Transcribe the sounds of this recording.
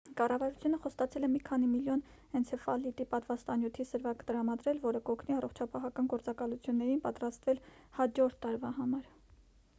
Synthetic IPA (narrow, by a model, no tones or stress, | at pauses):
kɑrɑvɑɾut͡sʰjunəχɔst̪ɑt͡sʰɛlɛmikʰɑnimiljɔn | ɛnt͡sʰɛfɑlit̪ipɑt̪vɑst̪ɑnjut̪ʰisəɾvɑkə̥t̪əɾɑmɑd̪ɾɛlvɔɾəkɔkʰniɑrɔχt͡ʃʰɑpɑɦɑkɑnɡɔɾt͡sɑkɑlut͡sʰjunːɛɾinpɑt̪ɾɑst̪vɛl | hɑd͡ʒɔɾt̪ʰːɑɾvɑhɑmɑɾ